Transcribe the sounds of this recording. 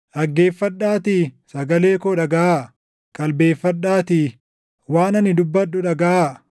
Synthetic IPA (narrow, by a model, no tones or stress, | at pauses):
ʔɐɡːeːfːɐᶑːaːt̪isɐɡɐle̞ːkɔᶑɐɡɐʔa | kʼɐlbe̞ːfːɐᶑːaːt̪i | waːnɐnɪd̪ʊbːɐᶑːʊᶑɐɡɐʔa